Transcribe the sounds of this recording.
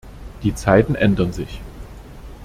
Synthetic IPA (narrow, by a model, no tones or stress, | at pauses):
d̥iːt͡saɪtn̩ʔɛndɐnzɪç